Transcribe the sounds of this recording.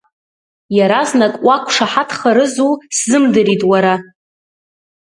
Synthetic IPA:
jaɾaznakʼwakʷʰʼʂaħatʰχaɾɨzuszɨmdɨɾitʼwaɾa

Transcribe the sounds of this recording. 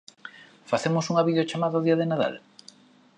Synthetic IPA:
faθemosuŋaβiðeot͡ʃamaðaoðiaðenaða̰l

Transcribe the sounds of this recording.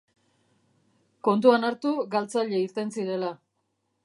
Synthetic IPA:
ko̞nt̪uanaɾt̪uɡalt͡saʎe̞iɾt̪e̞nsiɾe̞la

